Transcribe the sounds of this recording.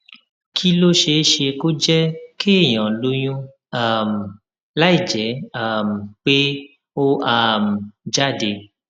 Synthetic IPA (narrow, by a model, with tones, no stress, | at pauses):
kʰi˦lo˦ʃe˧˦ʃe˧ko˦d͡ʒɛ˦kʰe˦˨j̃ɔ̃˨lo˨˧˦j̃ũ˦ | a˦˨m˨ | la˦i˦˨d͡ʒɛ˨˦a˦˨m̩˨k͡pe˦ | o˦a˦˨m̩˨d͡ʒa˦˨de˨